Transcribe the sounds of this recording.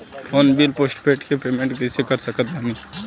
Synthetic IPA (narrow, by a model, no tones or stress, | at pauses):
ɔːnbilpoːsʈpeːʈkepeːmẽɳʈɡɛːsekəɾsəkət̪̚bʱaːniː